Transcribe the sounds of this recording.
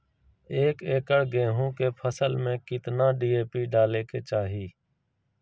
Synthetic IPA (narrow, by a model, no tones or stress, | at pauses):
eːkeːkəɽɡẽːɦũːkeːpʰəsəlmẽkɪt̪naːɖiːeːpiːɖaːleːkeːt͡ʃaːɦiː